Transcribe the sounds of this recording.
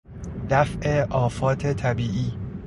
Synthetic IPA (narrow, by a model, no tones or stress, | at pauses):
d̪æfʔeʔɒːfɒːt̪ʰet̪ʰæbiːʔiː